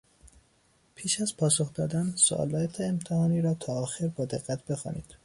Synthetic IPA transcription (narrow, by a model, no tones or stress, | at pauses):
pʰiːʃæzpʰɒːsoxd̪ɒːd̪ænso̰ʔɒ̰lɒːjæt̪ʰeemt̪ʰehɒːniːɾɒːt̪ʰɒːxeɾbɒːd̪e̞ɣːæt̪ʰb̥e̞xɒ̰ːnḭːd̪̥